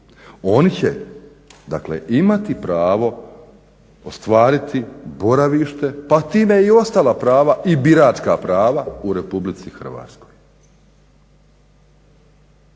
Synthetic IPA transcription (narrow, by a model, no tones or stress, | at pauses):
o̞nit͡ɕḛ | d̪a̰klḛʔimat̪ipɾaːʋo̞ | ost̪ʋaːɾit̪ibo̞ɾaʋiːʃt̪e̞pat̪iːmeio̞st̪alˠapɾaːʋaibiɾaːt͡ʃkapɾaːʋauɾe̞publit̪sixr̩ʋa̰ːt̪sko̞j